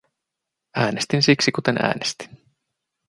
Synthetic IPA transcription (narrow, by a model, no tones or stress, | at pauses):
æːnest̪insiksikut̪e̞næ̰ːnest̪i̥n